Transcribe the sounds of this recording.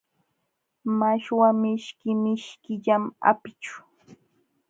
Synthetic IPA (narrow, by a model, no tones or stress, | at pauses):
maʃwamɪʃkɪmɪʃkɪʎama̰pɪt͡ʃʊ̥